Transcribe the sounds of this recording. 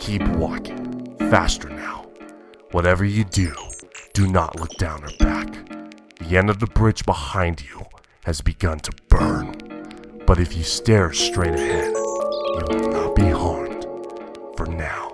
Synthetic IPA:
kʰipʰwɑ̰kɪ̃ŋfæstə˞naʊ | wʌɾɛvə˞jɨdʉd̥ɨnə̰ʔlʔʊk̚d̥ãʊ̃nə˞bæk | ðiɛ̃ndʌvðəbɹɪd͡ʒbəhãɪ̃nd͡ʒɨ | ɨzbɨɡʌ̃ntʰəb̥ɜ̃˞n | b̥ʌɾɨfjɨstɛɹstɹ̥eɪɾɨhɛd̚jɨwɨdnət̚b̥ihɑɹmd̥ | fə˞naʊ

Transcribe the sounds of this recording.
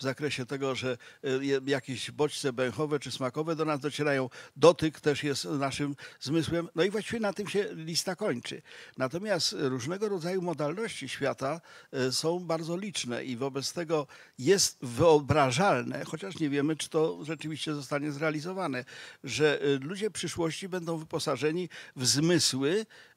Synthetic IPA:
vzakɾɛɕɛt̪ɛɡɔʐɛjɛjakʲeʑbɔt͡ɕt̪sɛbɛ̃wxɔvɛt͡ʂɘsmakɔvɛd̪ɔnazd̪ɔt͡ɕɛɾajɔ̃w̃d̪ɔt̪ɪkt̪ɛʂjɛst̪naʂɘmzmɘswɛmnɔivwaɕt͡ɕivʲɛnat̪ɨmɕɛlʲist̪akɔɲt͡ʂɘ̰nat̪ɔmʲjast̪ɾuʐnɛɡɔɾɔd̪zajumɔd̪alnɔɕt͡ɕiɕfʲjat̪asɔ̃w̃baɾd̪zɔlʲit͡ʂnɛ̰ʔivɔbɛt̪st̪ɛɡɔ | jɛst̪vɘɔbɾaʐalnɛ̰xɔt͡ɕaʂɲɛvʲjɛmɘt͡ʂɘ̥t̪ɔʐɛt͡ʂɘvʲiɕt͡ɕɛzɔst̪aɲɛzɾɛalʲizɔvanɛʐɛlud͡ʑɛpʂɘʂwɔɕt͡ɕibɛnd̪ɔ̃w̃vɘpɔsaʐɛɲivzmɘswɘ

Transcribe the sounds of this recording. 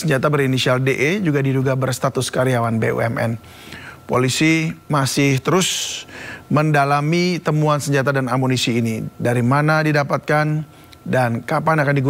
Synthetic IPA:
səɲd͡ʒat̪abəɾinisialdeʔed͡ʒuɡadiduɡabərst̪at̪ʊskaɾiawanbeṵɛ̰mɛ̰n | polisimasɪht̪əɾʊs | məndalamit̪əmuansəɲd͡ʒat̪̬adanamonisiːnidaɾimanadidapat̪̚kan | dankapanakandiɡu

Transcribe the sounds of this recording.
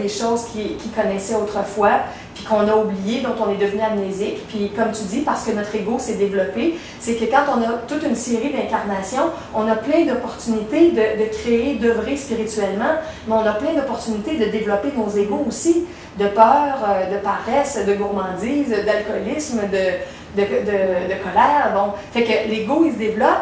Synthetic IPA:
d̪eʃɔːzkʲʰikʲikɔnɛsɛot̪χəfwa | pi̥kɔ̃naublijed̪ɔ̃t̪ɔ̃nɛd̪əvnyamnezɪkpɥikɔmt̪yd̪ipaʁsə̥kənɔt̪χeɡosɛd̪evlɔpe | sekəkɑ̃t̪ɔ̃nʌt̪ut̪ynseʁid̪ɛ̃kʲaʁnasjɔ̃ | ɔ̃naplɛ̃d̪ɔpɔʁt̪ynit̪ed̪əd̪əkʲʁeed̪əvʁespiʁit̪yɛlmɑ̃ | mɛɔ̃naplɛ̃d̪ɔpɔʁt̪ynit̪ed̪əd̪evlɔpenozeɡoːsi | d̪əpœːʁəd̪əpaʁɛsd̪əɡuʁmɑ̃ːd̪iːzəd̪alkɔlɪsmd̪ə | d̪əd̪əd̪əkɔlɛːʁbɔ̃fɛkəleɡoils̬d̪evlɔp

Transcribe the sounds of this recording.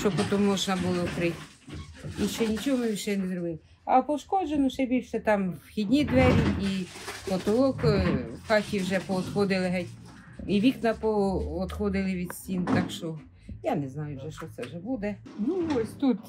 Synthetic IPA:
ʃt͡ʃɔpɔt̪ɔmɔt͡ʃnɐbulˠɪɔkɾɪtʲ | iʃɛnʲit͡ʃɔɦɔmɪiʃɛnezɾɔbɪlˠɪ | ɐ̰pɔʃkɔd͡ʒenʊʃɛbʲilʲʃɛt̪ɑmwxʲid̪ʲnʲid̪ʋɛɾʲiipɔt̪ɔlˠɔkxɑtʲiwʒɛpɔɔd̪xɔd̪ɪlˠɪɦɛtʲ | iʋʲiknɐpɔɔd̪xɔd̪ɪlˠɪʋʲid̪sʲtʲint̪ɑkʃt͡ʃɔ | janɛznɑjʊwʒɛʃt͡ʃɔt̪sɛʒɛbud̪ɛnuɔsʲt̪ut̪

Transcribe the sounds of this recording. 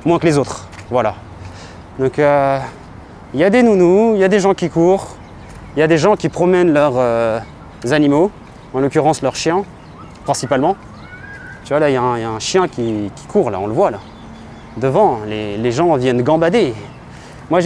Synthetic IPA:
mwɛ̃klezot̪χ | vwala | d̪ɔ̃kø | iljad̪enunuiljad̪eʒɑ̃kʲikuʁ | iljad̪eʒɑ̃kʲipχɔmɛnlœʁø | zanimo | ɑ̃lɔkʲyʁɑ̃slœʁʃjɛ̃ | pχɛ̃sipalmɑ̃ | t̪yvwalailjaɛ̃jaɛ̃ʃjɛ̃kʲikʲʰi̥kʰuʁla̰ɔ̃ləvwala | d̪əvɑ̃leleʒɑ̃vjɛnɡɑ̃bad̪e | mwaʒ

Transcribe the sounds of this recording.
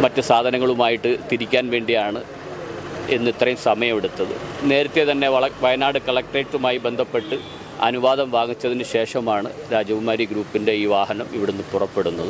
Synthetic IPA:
mɐtːɨsaːd̪ʱɐnɐŋːɐɭumaːjiʈːɨt̪iɾikʲːaːnʋe̞ːɳɖijaːɳɨ | e̞nːit̪rɐjumsɐmɐjɐmeɽut̪ːɐðɨ̰ne̞ːɾɐt̪ːe̞t̪ɐnːe̞ɐɭɐʋɐjɐnaːɽɨkɐɭɐk̚ʈeːtːumaːjibe̞nd̪ʱɐpːe̞ʈːɨ | ɐ̰nuʋaːd̪ʱɐmʋaːŋit͡ɕːɐðinɨɕe̞ːʂɐmaːɳɨɾaːd͡ʑɐʋumaːɾiɡɾuːpːinde̞iːʋaːɦɐnɐmiʋiɽenːɨpurɐpːe̞ɽunːɐðɨ

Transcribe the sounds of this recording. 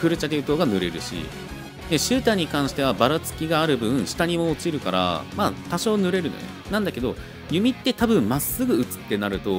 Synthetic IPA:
kɯ̟ɾɯ̟t͡ɕad̪eɯ̟t̪o̞ːɡanɯ̟ɾe̞ɾɯ̟̰ɕḭ | d̪eɕɨːt̪ãɲ̟ːikãɰ̃ɕi̥t̪e̞β̞abaɾat͡sɨ̥kʲiɡaːɾɯ̟bɯ̟̃ɕi̥t̪aɲ̟imo̞ːt͡ɕiɾɯ̟kaɾa̰maːt̪aɕo̞ːnɯ̟ɾe̞ɾɯ̟no̰enãnd̪ake̞d̪o | jɯ̟mʲit̪ːe̞t̪abɯ̟̃mmasːɨɡɯ̟ɯ̟t͡sɨ̥t̪ːe̞naɾɯ̟t̪o̞

